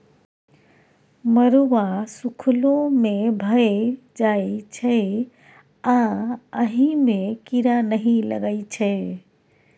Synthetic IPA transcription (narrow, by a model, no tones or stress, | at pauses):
məɾuʋasukʰlomebʱəe | d͡ʒait͡ʃʰɛ | ãəɦĩmekiɾanəɦĩlə̰ɡəɪt͡ʃʰɛ